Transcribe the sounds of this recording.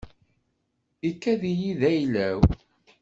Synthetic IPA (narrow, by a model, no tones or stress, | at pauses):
ikːæðijiðæjlæw